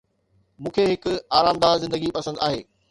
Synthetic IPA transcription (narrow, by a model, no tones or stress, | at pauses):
mũːkʰeɦɪkʊaːɾaːmd̪aːzɪ̃nd̪əɡipɐsə̃nd̪aːɦeː